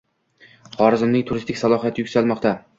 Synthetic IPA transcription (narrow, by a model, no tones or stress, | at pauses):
χɒɾɪzɪmnɪŋt̪ʰʊɾɪst̪ɪkʲsalˠɒhijat̪ʰɪjʊkʲsalmɒqt̪ʰa